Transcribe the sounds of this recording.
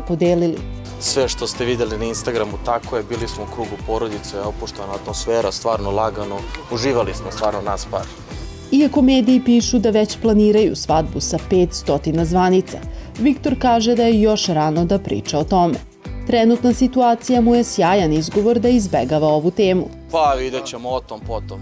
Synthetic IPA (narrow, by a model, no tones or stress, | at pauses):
pod̪eːlilḭ | sʋeʃt̪ost̪eʋid̪elinainst̪aɡɾamut̪akojebiːlismoukɾuːɡupoɾod̪it̪seopuʃt̪naːt̪mosfeːɾast̪ʋaːɾnolˠaɡanouʒiːʋalismost̪vaːɾnonaːspa̰ɾ | iako̞me̞ːd̪iːpiːʃud̪aʋet͡ɕplˠaniːɾajṵsʋad̪busape̞ːt̪st̪o̞t̪inazʋanit̪sa̰ʋikt̪o̞ɾkaːʒed̪ajejo̞ʃɾano̞d̪apɾḭːt͡ʃaot̪o̞mḛ | t̪ɾɛnut̪nasit̪uaːt̪sijamuje̞sjaːjanizɡo̞ʋo̞ɾd̪aizbeɡaʋao̞ʋut̪eːmṵ | paʋid̪et͡ɕemoot̪ompot̪om